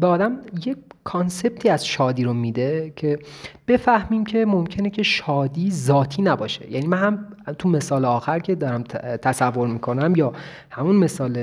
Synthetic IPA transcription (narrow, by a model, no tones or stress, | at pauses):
beɒːd̪æmje̞kʰɒnse̞b̥̚t̪ʰiːæzʃɒːd̪iːɾomiːd̪e̞cʰe̞b̥e̞fæhmiːmcʰe̞momcʰe̞necʰe̞ʃɒːd̪iːzɒːt̪ʰiːnæbɒːʃe̞̰jæ̰ːniːmænhæmt̪ʰume̞sɒːleɒːxæɾcʰe̞d̪ɒːɾæmt̪ʰæsævːo̞ɾmiːkʰo̞næmjɒː | hæmunme̞sɒːle